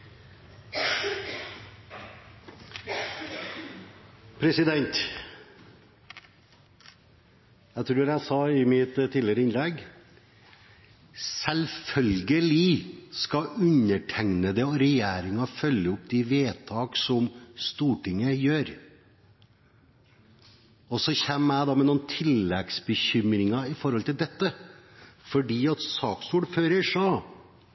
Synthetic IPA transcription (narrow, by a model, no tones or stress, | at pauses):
pʰɾɛsɪd̪ɛnt̪ | jæɪt̪ʰɾuːɾæɪsɑɪmɪt̪t̪ʰːiːlɪəɾəɪnlɛɡ | sɛlfœlɡəlɪskɑʉnəʈʰæŋnəd̪ɛɔɾɛjæːɾɪŋɑfœlːəʊpd̪ɪʋeːt̪ʰɑːksɔmst̪uːʈɪŋːəjøːɾ | ɔsɔçɛnːæɪd̪ɑːmɛnuːn̩t̪ʰɪlːɛɡsbəçʏmɾɪŋɑɪfɔɾhɔlt̪ɪld̪ɛt̪ːə | fɔɖiːɑt̪sɑːksuːɖføːɾəʂɔː